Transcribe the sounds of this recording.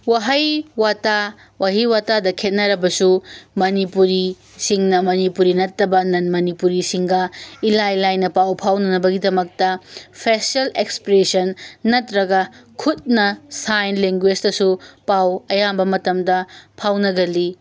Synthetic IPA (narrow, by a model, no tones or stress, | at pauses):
waɦɐjwata | wʔaɦiwatadɐkʰet̚nɐɾɐbɐsumɐnipuɾi | siŋnɐmɐnipuɾinɐtːɐbɐnɐnmɐnipuɾisiŋɡɐilajlajnɐpawpʰawnɐnɐbɐɡidɐmɐk̚tɐpʰesɐlekspɾesɐnːɐtɾɐɡɐkʰut̚nɐsajnleŋɡwed͡ʒtɐsupawɐjambɐmɐtɐmdɐpʰawnɐɡɐli